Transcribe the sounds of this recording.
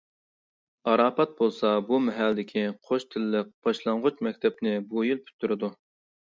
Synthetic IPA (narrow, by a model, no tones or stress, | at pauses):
ɑɾɑːpɑt̪̚bolˠsɑbumɛɦælːd̪ɪkʲʰiqʰoʃt̪ʰɪlɪːɪk̚b̥ɑʃlˠɑɴʁʊt͡ʃmɛkʲt̪ʰɛp̚nɪbujilpʰy̥t̪ʰːyɾɪd̪u